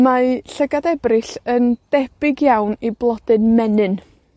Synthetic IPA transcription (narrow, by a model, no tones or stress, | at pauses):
maɬəɡadɛbrɪɬənd̥ɛb̥ɪɡjawniblˠɔd̥ɨnmɛnɨn